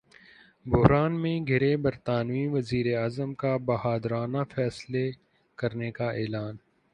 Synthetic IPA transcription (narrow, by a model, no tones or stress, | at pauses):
bʊɦɾaːnmẽɡʱɪɾebɐɾt̪aːnʋĩːnʋɐziːɾeaːzəmkabɐɦaːd̪ɾaːnafʰɛːsle | kɐɾnekaʔeːlaːn